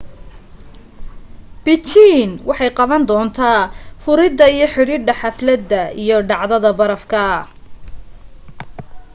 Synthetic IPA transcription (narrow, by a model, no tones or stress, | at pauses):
b̥ɪt͡ʃiːnwʔɑħɑjqɑβɐnd̪ɔːnt̪ʰaːfʊɾɪd̪ɐijɞħɪɽiːɖɐħɑflɐd̪ːɐijɔɖɑʕðɐðɐbɐɾɐfkʰɐ